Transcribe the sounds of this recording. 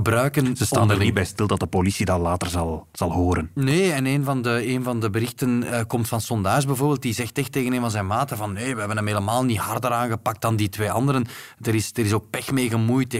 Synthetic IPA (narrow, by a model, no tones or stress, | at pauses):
əbɾœːkənzəstaːndnibɛjstɪlˠdɑt̚dəpolisidɑlaːtərzɑlˠz̥ɑlˠɦoːɾənneːɛneːnvɑndəeːnvɑndəbəɾɪxtənəkɔmtfɑnsɔndaːsbɛvoːrbeːlˠt̚dizɛxtɛxteːɣəneːnvɑnzɛnmaːtəvɑnːeːʋəɦɛbənəmɦeːləmaːlˠnihɑrdəɾaːnɣəpɑk̚t̚daːnditʋeːʔɑ̰ndəɾəndəɾɪsd̥ərɪsoːk̚pɛxmeːɣəmujt